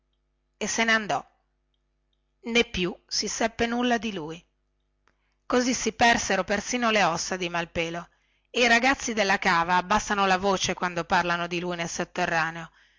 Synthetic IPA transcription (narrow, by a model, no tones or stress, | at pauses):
esːeneand̪ɔ | nepːjusisɛpːenulːad̪iluːj | kozisipɛrseɾopersiːnoleɔsːad̪imalpeːlo | eiɾaɡat̪sːid̪elːakaːvaːbːasːanolavoːt͡ʃekwand̪oparlanod̪ilujnelsot̪ːerːaːneo